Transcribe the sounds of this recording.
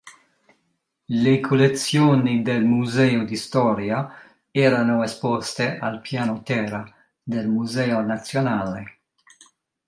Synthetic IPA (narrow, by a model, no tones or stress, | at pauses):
lekʰolet̪sjoːnid̪elmuzɛːod̪ist̪ɔːɾja | ɛːɾanoespɔst̪eʔalpjaːnot̪ɛːɾa | d̪elmuzɛːonat̪sjonaːle